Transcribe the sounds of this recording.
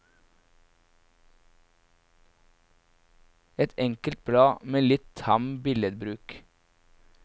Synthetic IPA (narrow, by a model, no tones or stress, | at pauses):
ɛt̪ʰɛŋkəlt̪̚bɽɑːmeːlɪt̪t̪ʰɑmbɪləd̪bɾʉːk